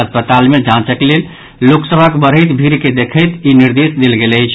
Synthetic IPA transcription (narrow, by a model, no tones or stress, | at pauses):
əspət̪almed͡ʒãt͡ʃəkelel | loksəbʱəkbəɾɦəɪt̪bʱiɾked̪ekʰəjt̪iniɾd̪esd̪elɡeləjt͡ʃʰ